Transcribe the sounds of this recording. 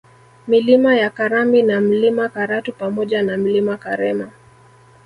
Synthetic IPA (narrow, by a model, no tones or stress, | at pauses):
milimajakaɾaminam̩limakaɾatupamɔʄanam̩limakaɾɛma